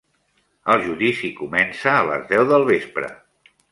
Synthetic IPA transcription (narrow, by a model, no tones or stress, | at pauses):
əlˠʒuðisikumɛnsəːlə̰zðɛwðəlˠβespɾə̰